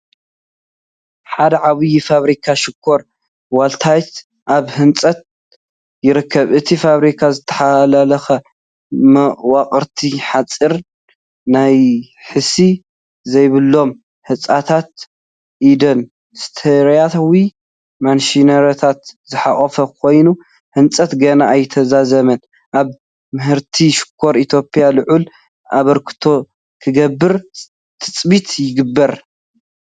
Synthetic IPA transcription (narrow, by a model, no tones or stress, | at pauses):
ħad̪ɐʕaβɨjifaβɾikʰaʃɪkʰːo̞ɾ | walt̪ʰajt̪ | ʔaβhɨnt͡sʼɐt̪̚ | jɪɾɨkʰːɐβʔɨt̪ʰifaβɾikʰazɨt̪ʰɐ̥ħalalɐxɐ | mwaqʼɨɾt̪ʰiħat͡sʼːiɾ | naj | ħɨsi | zɐjβɨlːo̞m | hɨt͡sʼat̪ʰat̪̚ | ʔid̪ɐn | st̪ʰeɾjat̪ʰawi | manʃinɐɾot̪ʰat̪zɨħaχʼɐfɐkʰo̞jnu | hɨnt͡sʼɐt̪ɡɐnaʔːjt̪ʰɐzazɐmɐn | ʔaβ | mɨɦɨɾt̪ʰiʃɪ̥kʰːo̞ɾit̪ʰjo̞pʼijalɨʕʔul | ʔa̰βɐɾkʰɨ̥t̪ʰo̞ | kʰɨɡɐbːɨɾ | t̪ʰɨt͡sʼbit̪jɪɡɨbːɐɾ